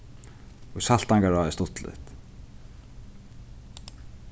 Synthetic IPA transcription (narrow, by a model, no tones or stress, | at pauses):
usal̥t̪aŋkaɾaðɪst̪ʊht̪lɪ̰t̪